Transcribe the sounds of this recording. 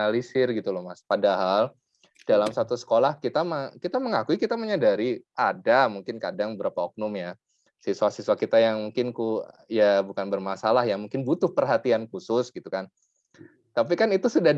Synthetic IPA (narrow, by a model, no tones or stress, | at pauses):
alisɪrɡit̪ulɔhmaspadaɦal | d̥alamsat̪usə̥kolahkit̪amakit̪aməŋakuikit̪aməɲadaɾiʔadamuŋkɪnkadaŋbəbəɾapaɔk̚nɔmja | sisuwasisuakit̪ajaŋmuŋkɪnkujabukanbərmasalahjamuŋkɪnbut̪ʊhpərɦat̪iankusʊsɡit̪ukan | t̪ap̬ikanit̪usudah